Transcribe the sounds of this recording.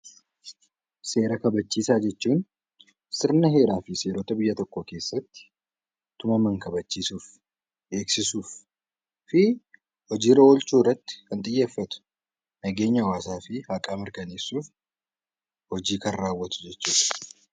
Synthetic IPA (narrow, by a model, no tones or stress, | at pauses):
se̞ːɾɐkɐbɐt͡ʃːiːsaːd͡ʒɛt͡ʃːuːn | sɪɾnɐɦe̞ːɾaːfɪse̞ːɾoːt̪ɐbɪjːɐt̪ɔkːo̞ːke̞ːsːɐt̪ːɪ̥ | t̪ʊmɐmɐŋkɐbɐt͡ʃːiːsuːf | ʔe̞ːksɪsuːf | fɪ | hɔd͡ʒiːɾɐɔlt͡ʃuːrːɐt̪ːɪ̥kɐnt̪ʼɪjːe̞ːfːɐt̪ʊ̥ | nɐɡe̞ːɲːɐwaːsaːfɪhakʼaːmɪɾkɐneːsːuːf | hɔd͡ʒiːkɐnraːwːɐt̪ʊ̥d͡ʒɛt͡ʃːuːᶑ̪ɐ̥